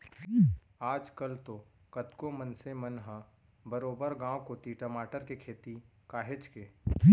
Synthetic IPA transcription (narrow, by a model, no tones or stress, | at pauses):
aːd͡ʒkəlt̪okɐt̪komənsemənɦə | bəɾoːbəɾɡãːwkot̪iʈəmaːʈəɾkekʰeːt̪ikaːɦɪt͡ʃkeː